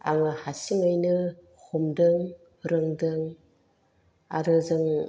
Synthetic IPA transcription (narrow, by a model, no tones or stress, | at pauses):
a̰ŋɯhasiŋɯjnɯ | humdɯŋ | ɾɯŋdɯŋ | a̰ɾɯzɯŋ